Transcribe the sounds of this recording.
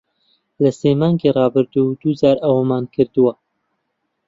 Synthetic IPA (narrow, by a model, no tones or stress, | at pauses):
lɐseːmɑːŋɡirɑːbɨɾd̪ud̪uːzaːɾɐwɐmaːnkʰɨɾd̪uwɐ